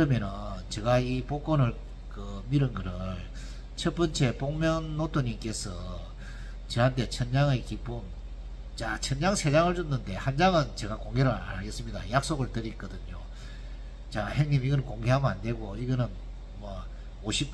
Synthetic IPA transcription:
kɯɾʌmjʌnɯnt͡ɕe̞ɡaipok͈onɯɭ | kɯmiɾɯnɡɯɾɯɭ | t͡ɕʰʌp͈ʌnt͡ɕʰe̞poŋmjʌnːotʰoɲimk͈e̞sʰʌ | t͡ɕɯɦantʰe̞t͡ɕʰʌnd͡ʑaŋekip͈um | t͡ɕat͡ɕʰʌnd͡ʑaŋsʰe̞d͡ʑaŋɯɭt͡ɕunːɯnde̞hand͡ʑaŋɯnt͡ɕe̞ɡakoŋɡe̞ɾɯɾa̰ɭɡe̞s͈ɯmɲida̰jak̚s͈oɡɯɭtɯɾik͈ʌdɯɲo | t͡ɕaheŋɲimiɡʌnɯnkoŋɡe̞ɦamɯnande̞ɡoiɡʌnɯn | mwʌ | oɕʰip̚

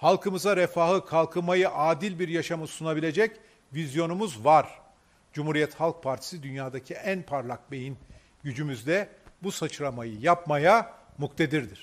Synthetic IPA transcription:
halˠkʰɯmɯzaɾefaːhɯkʰalˠkʰɯmajɯʔaːd̪ilʲbiɾjaʃamɯsunabilʲe̞d͡ʒɛc | vizjo̞numuzvaɾ | d͡ʒumhuɾijɛt̪halˠk̚pʰaɾt̪ʰi̥sid̪ynjaːd̪acʰiʔænpʰaɾlˠak̚be̞jin | ɟyd͡ʒymyzd̪ɛbusat͡ʃʰɯɾamajɯjapmajamukt̪ʰe̞d̪iɾd̪iɾ̥

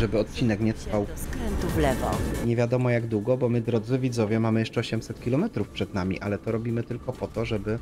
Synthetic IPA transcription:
ʐɛbɘɔt̪̚t͡ɕinɛkɲɛt̪ʂfawskɾɛnt̪uvlɛvɔ̰ɲɛvʲjad̪ɔmɔjaɡd̪wuɡɔbɔmɘd̪ɾɔd̪zɘvʲid̪zɔvʲjɛmamɘjɛʂt͡ʂɛɔɕɛmsɛt̪kʲilɔmɛt̪ɾufpʂɛd̪namʲḭʔa̰lɛt̪ɔɾɔbʲimɘt̪ɘlkɔpɔt̪ɔʐɛbɘ

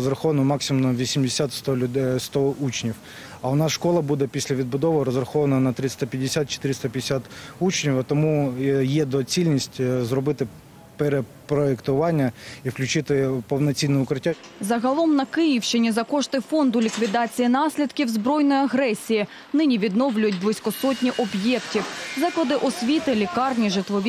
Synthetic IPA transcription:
ɔzɾɐxɔʋɐnʊmɑksʲɪmmnɐʋʲisʲimdʲɪsʲat̪st̪ɔd̪st̪ɔut͡ʃnʲiw | ɐʊnɑsʂkɔlˠɐbud̪ɛpʲisʲlʲɐʋʲid̪̚bʊd̪ɔʋɪɾɔzɾɐxɔʋɐnɐnɐt̪ɾɪst̪ɐpʲɐdʲːɪsʲat̪̚t͡ʃe̥t̪ɪɾɪst̪ɐpʲɛdʲesʲat̪ut͡ʃnʲiwɐt̪ɔmujɛd̪ɔt͡sʲilʲnʲisʲtʲzɾɔbɪt̪ɪ | peɾe | pɾɔekt̪ʊʋɑnʲːɐifklʲʉt͡ʃɪt̪ɪpɔwnɐt͡sʲinːɛʊkɾɪtʲːa | zɐɦɐlˠɔmnɐkɪjiwʃt͡ʃɪnʲizɐkɔʃt̪ɪfɔnd̪ʊlʲikʋʲid̪ɑt͡sʲijinɑsʲlʲid̪kʲiwzbɾɔjnɔjiɐɦɾɛsʲiji | nɪnʲiʋʲid̪nɔwlʲʊjʊt̚ʲblˠɪsʲkɔsɔtʲnʲiʔɔbjɛktʲiwzɑklˠɐd̪ɪʔɔsʲʋʲit̪ɪlʲikɑrnʲiʒɪt̪ʋɔʋʲ

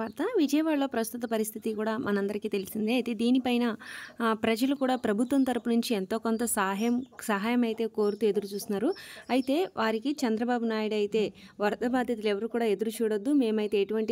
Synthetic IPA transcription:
ɐɾt̪ɐʋid͡ʒɐjɐʋaːɭːo̞ːpɾɐst̪ut̪ɐpɐɾist̪ʰit̪ikuːɽaːmʔɐnɐmɐnd̪ɐɾikiːt̪e̞lisind̪iɐjt̪e̞ːd̪iːnipɐjnɐpɾɐd͡ʒɐlukuːɽaːpɾɐbʱut̪ʋɐnt̪ɐɾupɐnuɲt͡ʃient̪o̞ːkont̪ɐsaːɦjɐmsɐɦaːjɐmɐjit̪e̞ːko̞ːɾut̪ue̞d̪uɾut͡ʃuːst̪unːaːɾuɐjit̪e̞ːʋʔaːɾikit͡ʃɐnd̪ɾɐbaːbunaːjuɽɐjit̪e̞ː | ʋɐɾd̪ʱɐbaːd̪ʱjɐt̪̬ulɛʋɐɾuːkuːɽaːe̞d̪uɾut͡ʃuːɽɐd̪ːume̞ːmɐjit̪e̞ːʈuʋɐɳʈi

